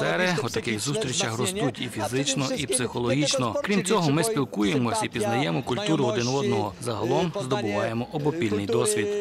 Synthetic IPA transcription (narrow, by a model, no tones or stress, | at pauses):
ɛɾɪɔt̪ɐkɪxzust̪ɾʲit͡ʃɐxɾɔst̪utʲifʲizɪt͡ʃnɔʔipsɪxɔlˠɔɦʲit͡ʃnɔkɾʲimt͡sʲɔɦɔmɪspʲilˠkuje̞mɔsʲɐipʲiznɐjɛmɔkʊlʲt̪uɾʊɔd̪ɪnʋɔd̪nɔɦɔzɐɦɐlˠɔmzd̪ɔbʊʋɑjemɔʔɔbɔpʲilʲnɪjd̪ɔsʲʋʲid̪